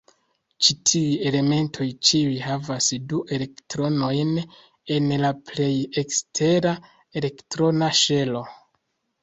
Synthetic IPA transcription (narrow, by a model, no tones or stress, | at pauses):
t͡ʃitʰiuje̞le̞me̞ntʰo̞jt͡ʃiujɦavasduʔe̞le̞ktɾo̞no̞jn | e̞nlaple̞je̞kstʰe̞ɾa | ele̞ktɾo̞naʃe̞lo̞